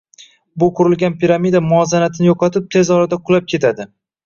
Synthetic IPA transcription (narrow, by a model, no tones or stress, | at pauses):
bʊqʰʊɾɪlɡʲanpiɾamid̪amʊɒzanat̪ʰɪnɪjoqʰɒt̪ʰɪp̚t̪ʰe̞zɒɾad̪aqʰʊlˠap̚kʲʰe̞t̪ʰad̪ɪ